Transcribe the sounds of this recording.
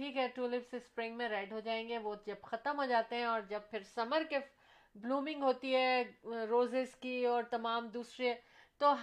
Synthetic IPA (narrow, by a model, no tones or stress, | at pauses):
ʈʰiːkɦɛːʈuːlɪpsespɾɪ̃ŋɡmẽɾɛːɖɦod͡ʒaːẽːŋɡeʋod͡ʒɐbxɐt̪əmɦod͡ʒaːt̪eɦɛ̃ɔːɾd͡ʒɐbpʰɪɾsɐməɾke | bluːmɪ̃ŋɡɦoːt̪iɦɛːɾoːzɪskiɔːɾt̪ɐmaːmd̪uːsɾiɦɛː | t̪oɦ